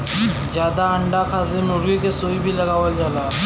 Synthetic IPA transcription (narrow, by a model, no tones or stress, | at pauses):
d͡ʒjaːd̪aəɳɖakʰaːt̪emʊɾʋikesoːibʱilɐɡaːʋəld͡ʒaːlaː